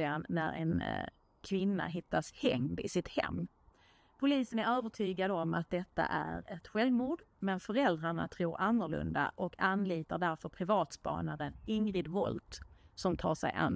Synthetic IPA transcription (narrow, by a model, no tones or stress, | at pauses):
anːæɾɛ̰n | kʰvɪnːa̰ɦɪt̪ːashɛŋd̪ɪ̰sɪt̪hɛ̰mː | pʰʊliːsənæɾøːvəʈʰyːɡad̪əɔmat̪̚d̪ɛt̪ːa̰ʔæɾɛt̪ɧɛlvmuːɖ | mɛnfœɾɛld̪ɾaɳa̰t̪ʰɾuːɾanːəɭɵ̰nd̪a̰ʔɔkʰanliːt̪aɖæɾfœɾpʰɾɪvɑːt̪spɑ̰ːnadənɪŋɾɪd̪vɔ̰lt̪sɔmt̪ʰɑːʂɛ̰jʔa̰n